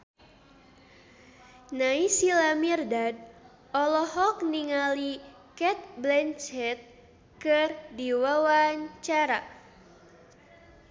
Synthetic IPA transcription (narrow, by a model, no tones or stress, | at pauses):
naisilamirdad̚ | ɔlɔhɔk̚niŋali | kɛt̪̚blɛnt͡ʃɛt̪̚ | kɨrdiwawaɲt͡ʃaɾa